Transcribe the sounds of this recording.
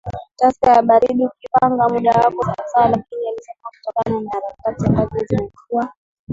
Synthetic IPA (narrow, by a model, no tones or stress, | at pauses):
taskajaɓaɾiɗiukipaŋɡamuɗawakɔza̰salakinialisasaku̥tɔkananaːɾakatiambazɛzimɛkua